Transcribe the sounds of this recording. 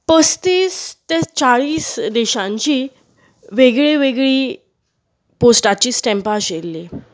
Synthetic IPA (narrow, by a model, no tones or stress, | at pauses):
pəst̪iːst̪et͡saɭiːsd̪eɕãɲt͡ɕiː | ʋeɡɭeʋeɡɭiː | posʈat͡ɕiːsʈɛ̃mpaɕelːe